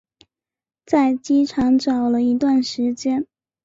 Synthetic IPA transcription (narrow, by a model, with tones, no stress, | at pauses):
t͡sa˥˩ɪt͡ɕi˥ʈ͡ʂʰɑ˧˥ŋʈ͡ʂɑ˨˩ʊlə˦i˧˥t̪wa˥˩nʂɻ̩˧˥t͡ɕjɛ˥n